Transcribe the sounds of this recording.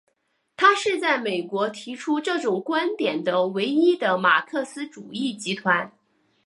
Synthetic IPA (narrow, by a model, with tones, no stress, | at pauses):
t̪ʰa˥ʂɻ̩˥˧t͡sa˥˩ɪme˨˩ɪkwɔ˧˥t̪ʰi˧˥ʈ͡ʂʰu˥ʈ͡ʂɤ˥˩ʈ͡ʂʊ˨˩ŋkwa˥nt̪jɛ˨˩nd̪ə˦we˧˥ɪi˥d̪ə˨ma̰˨˩kʰɤ˥˩sɹ̩˥ʈ͡ʂu˨˩i˥˩t͡ɕi˧˥t̪ʰwa˧˥n